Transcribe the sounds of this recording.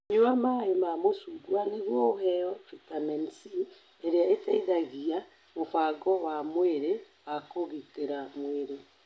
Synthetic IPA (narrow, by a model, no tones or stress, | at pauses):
ɲuamaemamosuɡwaneɣwɔoɦɛɔfitamɛnsi | eɾeaetɛiðaɣia | mofaɡɔwamweɾe | wakoɣikeɾamweɾe